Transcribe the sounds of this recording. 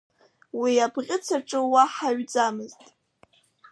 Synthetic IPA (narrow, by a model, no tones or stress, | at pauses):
wiabχʲʼɪt͡sʰaʈ͡ʂʼɨwaħaɥd͡zamɨztʼ